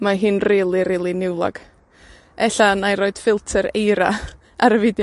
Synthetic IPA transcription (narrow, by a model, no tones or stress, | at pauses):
maɦɨnriːlˠiɾiːlˠinɪwlˠɔ̰ɡ̥ | ɛɬanajɾoːɨd̥fɪlˠtʰəɾejɾa | aɾəvɪdj